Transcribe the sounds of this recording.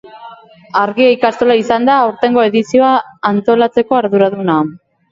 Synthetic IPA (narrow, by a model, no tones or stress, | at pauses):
aɾɣiaikast̪olaisand̪aːwɾt̪e̞ŋɡo̞e̞ðisio̞aːnt̪o̞lat͡se̞ko̞aɾðuɾaðuna